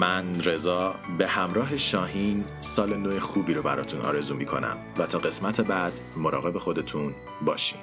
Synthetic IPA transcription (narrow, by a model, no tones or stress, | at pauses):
mænre̞zɒːbe̞hæmɾɒːɦe̞ʃɒːɦinsɒːlenojexuːbiːɾobæɾɒ̰ːt̪ʰunʔɒ̰ːɾe̞zuːmikʰo̞̰næ̰mvæt̪ʰɒːɣe̞smæt̪ʰe̞bæd̪̥ | mo̞ɾɒːɣe̞be̞xo̞d̪e̞t̪ʰun | bɒːʃi̥̰ːm